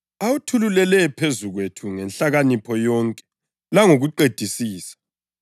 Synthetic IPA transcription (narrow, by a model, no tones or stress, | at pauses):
awutʰululɛlɛpʰezuɣwetʰuŋɛnɬaɣanipʰɔjɔːŋkʼɛ̥ | laŋoɣuǃed̥ʱisiːsḁ